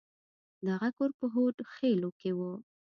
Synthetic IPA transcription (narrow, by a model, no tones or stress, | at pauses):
d̪aɣakoɾpəɦoʈxelokewo